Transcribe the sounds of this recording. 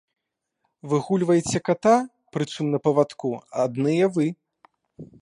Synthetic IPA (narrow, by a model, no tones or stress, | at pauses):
vɨɣulʲvɐjet͡sʲɛkat̪a | pɾɨt̪sumnɐpɐvat̪kuad̪nɨjɛvɨ